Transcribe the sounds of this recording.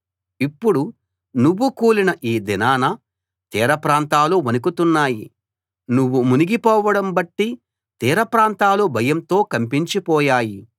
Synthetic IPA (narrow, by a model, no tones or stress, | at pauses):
ipːuɽu | nuʋːukuːlinɐʔiːd̪inaːnɐ | t̪iːɾɐpɾaːnt̪aːluʋɐnukut̪unːaːji | nuʋːumuniɡipɔːʋɐɽɐmbɐʈːi | t̪iːɾɐpɾaːnt̪aːlubʱɐjɐmt̪o̞ːkɐmpiɲt͡ʃipɔːjaːji